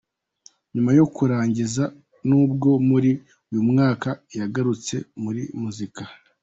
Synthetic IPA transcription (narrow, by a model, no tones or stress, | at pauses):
ɲumajo̞kuɾaːɲɟiza | nuːbɡo̞muɾi | ujumŋaːkajaɡaɾut͡se̞̰muɾimuzika